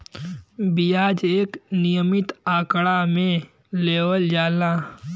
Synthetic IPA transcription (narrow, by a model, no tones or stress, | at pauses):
bijaːd͡ʒeːknijəmɪt̪aːkɽamẽ | leːwəld͡ʒaːlaː